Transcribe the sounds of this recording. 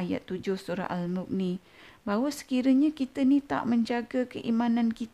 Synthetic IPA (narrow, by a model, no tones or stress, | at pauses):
aja̰t̪ːud͡ʒʊhsuɾa̰ʔalmʊk̚ni | bawəsə̥kiɾəɲakit̪ənit̪a̰ʔməɲd͡ʒaɡəkəʔimãnãnkit̪